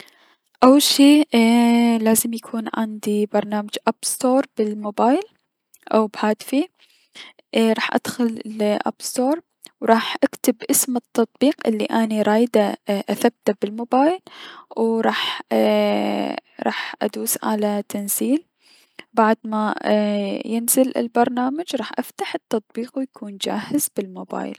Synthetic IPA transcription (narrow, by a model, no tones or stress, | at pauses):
ʔawːalʃiː | laːzɪmjakʰuːnʕɪ̰nd̪ibɑɾˤnaːmad͡ʒʔab̥st̪oːɾˤbɪlmoːbaːjl | ʔa̰wbhaːd̪fi | ʔɾˤɑːħʔa̰d̪̥xʊllʔa̰b̥st̪oːɾˤ | wɾˤɑːħʔakt̪ɪbʔɪsmɨt̪ːɑt̪ˤbiːqʔɪ̰lːiʔaniɾˤɑːjd̪aʔaθab̚t̪abɪlmoːbaːjlwɾˤɑːħ | ɾˤɑ̰ːħʔa̰d̪uːsʕa̰lat̪anziːl | baʕd̪ma | jɪnzɪlɪ̰lbɑɾˤnaːmad͡ʒɾˤɑːħʔaft̪aħɪt̪ːɑt̪ˤbiːqwjakʰuːnd͡ʒa̰ːhɪzbɪlmoba̰ːj̰l